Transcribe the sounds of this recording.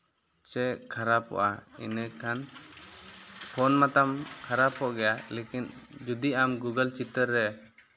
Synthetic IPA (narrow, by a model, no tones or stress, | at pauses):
t͡ʃɛʔkʰaɾapɔ̰ʔaḭnəkʰan | pʰɔnmat̪amkʰaɾapɔʔɡɛjalekind͡ʒud̪iamɡuɡəlt͡ʃit̪əɾːɛ